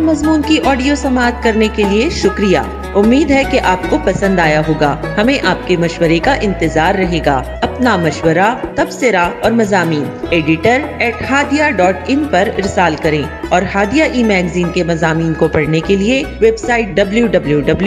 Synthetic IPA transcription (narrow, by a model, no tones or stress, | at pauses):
mɐzmuːnkiʔɔːɖijosɐmaːt̪kɐɾnekelieʃʊkɾija̰ː | ʊmːiːd̪ɦɛkeʔaːp̚kopɐsə̃nd̪aːjaɦoːɡaːhɐmẽʔaːp̚kemɐʃwəɾekaʔɪ̃nt̪ɪzaːɾːɐɦeːɡa̰ː | ɐpnamɐʃwəɾat̪ɐbsɪɾaɔːɾmɐzaːmiːneːɖɪʈəɾɛːʈhaːd̪ijaɖɔːʈɪ̃npɐɾɪ̰ɾsaːlkɐɾẽːɔːɾɦaːd̪ijaʔiːmɛːɡziːnkemɐzaːmiːnkopɐɽnekelieʋeːbsaːɪʈ̚ɖɐbljuɖɐbljuɖɐblju